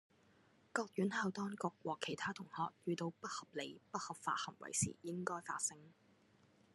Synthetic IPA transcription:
kɔː˧k̚jyː˨˥nhɐ˨˧wt̪ɔː˥ŋkʊ˨k̚wɔː˨˩kʰe˨˩jt̪ʰaː˥t̪ʰʊ˨˩ŋhɔː˧k̚jyː˨t̪o˧wpɐ˥t̚hɐ˨p̚le˨˧jpɐ˥t̚hɐ˨pfa̰ː˧t̚hɐ˨˩mwɐ̰˨˩jsḭː˨˩jɪ˥ŋkɔː˥jfa̰ː˧t̚sɪ˥ŋ

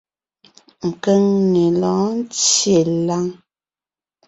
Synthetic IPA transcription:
ŋ̩˨kə˦ŋŋe˨lɔ̃ː˨˦n̩˦t͡sje˨la˦ŋ

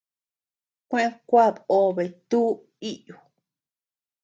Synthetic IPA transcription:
kʷẽ˦ʔẽ˦˧kʷa˦˨βo˧βe˨t̪u˦ | i˦ʔju˨

